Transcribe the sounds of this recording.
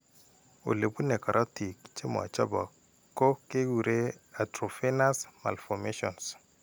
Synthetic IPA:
o̰˨le˨bu˦ne˨ka˨ɾʔa˦ti˨kt͡ʃe˦m˨a̰˨t͡ʃa˦bɔ˨ | ko˦ke˦wu˨ɾe˦a˨tɾo˨fe˦na˦sma̰˨lfɔ˨me˦ʃɔ̰˨ns

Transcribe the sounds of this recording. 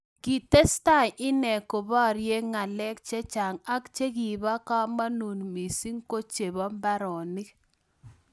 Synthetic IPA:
ki˨te˦sta˦˨jʔɪ˦nɛ˨ko˨bɔ˦˨ɾje˦ŋa˨lɛ˦k̚t͡ʃe˦t͡ʃa˨ŋa˦kt͡ʃe˦ki˨ba˦ka˦ma˦nu˨nmi˨si˦ŋ˦ko˦t͡ʃe˨bɔ˦mba˦ɾɔ˨nɪ˦k

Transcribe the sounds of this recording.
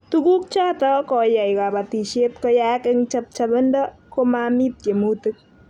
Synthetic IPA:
tuku˦k̚t͡ʃa˦tɔ˦kɔ˨ja˨jka˨ba˨ti˨ʃe˦tkɔ˦ja˦kɪ˦ŋt͡ʃɐ˦p̚t͡ʃabɪ˦ndɔ˦ | koma˨mi˦t̚ke˨mu˦tɨ˦k̚

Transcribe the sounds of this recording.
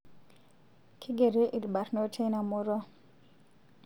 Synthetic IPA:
kʰɪ˦ɡe˨ɾe˦ʔi˨lba˨ɾno˦tʰe˦na˨mʊ˦ɾɔ˦

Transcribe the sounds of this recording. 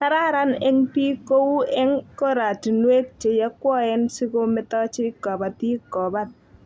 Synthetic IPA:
ta˦ɾa˦ɾa˦nɛ˦ŋpi˦ko˦u˦ɛ˦ŋko˦ɾa˨ti˨nwe˦k̚t͡ʃe˨ja˦kwɔ˦ɛ˦nsi˦ko˦mɪ˦tɔ˦t͡ʃɪ˦kːɔ˨ba˨ti˦kːɔ˨ba˦t̚

